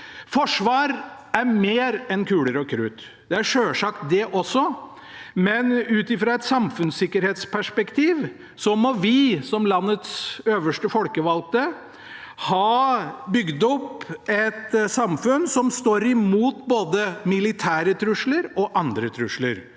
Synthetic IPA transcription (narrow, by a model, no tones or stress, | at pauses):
fɔʂʋɑːɾæɾmeːɾɛnkʰʉːləɾəɔkʰɾʉːt̪ | d̪̥ɛæɾʂøːʂɑkt̪̚d̪ɛʔɔsːɔ | mɛnʉːt̪ɪfɾɑɛt̪sɑmfʉnsɪkːəɾheːt̪spʰæʂpɛkt̪ʰiːʋ | sɔmɔʋɪsɔmlɑnːət̪søːʋəʂʈəfɔlkəʋɑl̚t̪ə | hɑːbʏɡd̪ɔpɛt̪sɑmfʉnsɔmst̪oːɾɪmuːt̪boːd̪əmɪlɪt̪ʰæːɾət̪ʰɾʉʂləɾɔʔɑnd̪ɾət̪ʰɾʉʂlə̰ɾ